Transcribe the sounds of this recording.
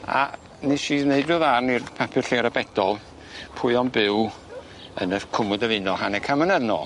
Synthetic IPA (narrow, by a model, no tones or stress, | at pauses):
a̰ | niʃiːðneɨdɨðarnirpʰapʰɨrɬeɾabɛdɔlˠ | pʰʊɨɔnbɪw | ənərkʰʊmʊdəvɪnɔhanɛkʰamənɛðnɔ̰ː